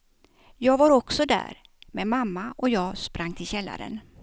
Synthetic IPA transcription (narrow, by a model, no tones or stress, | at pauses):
jɑːɡvaɾɔksɔd̪æ̰ːɾ | mɛmamːaʔɔjɑːɡspɾʔaŋːt̪ʰɪlɕɛlːa̰ɾə̰n